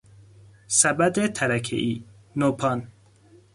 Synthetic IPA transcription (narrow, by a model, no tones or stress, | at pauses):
sabad̪et̪ʰaɾakʰḛʔi | nopʰɑn